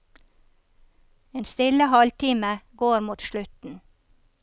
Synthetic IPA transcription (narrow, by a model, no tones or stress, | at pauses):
eːnst̪ɪləhɔlt̪ʰiːməɡoːɾmuːt̪ʃlʉt̪n̩